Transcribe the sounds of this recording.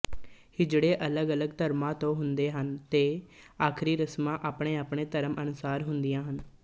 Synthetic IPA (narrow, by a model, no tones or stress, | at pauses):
hɪd͡ʒɽeːʔələɡələɡt̪əɾmãːt̪õːɦʊnd̪eːɦənt̪eːaːkʰɾiːɾəsmãːʔaːpɳeːaːpɳeːt̪əɾəmʔənʊsaːɾɦʊnd̪ɪjãːɦən